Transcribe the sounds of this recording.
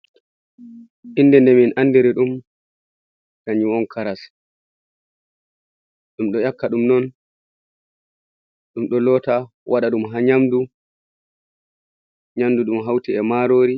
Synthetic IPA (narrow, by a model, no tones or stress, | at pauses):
ʔinːdɛndɛminʔandiɾiɗum | kaɲiwɔnkʰaɾas | ɗumɗɔjakːaɗumnɔn | ɗumɗɔlɔːta | wʔaɗaɗumɦaɲamdu | ɲamduɗumɦawtiɛmaɾoːɾi